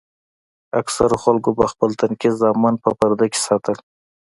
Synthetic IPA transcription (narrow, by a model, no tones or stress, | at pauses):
aksaɾoxalkobaxpəlt̪ankizzɑmɑnpəpaɾd̪akʲe̥sɑt̪əl